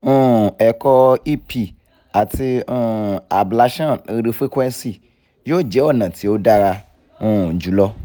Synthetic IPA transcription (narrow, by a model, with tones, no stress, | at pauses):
ũ˦ɛ˨kɔ˧i˦pʰi˦ | a˨ti˧ũ˦˨a˨bla˨˦ʃã˦˨e˧ɖe˨˧fe˦kʷɛ̃˦n˦si˦˨ | jo˦˨d͡ʒɛ˦wɔ˦˨nã˨tʰi˨wo˦da˦ɾa˧ | ũ˦˨d͡ʒu˨˦lɔ˦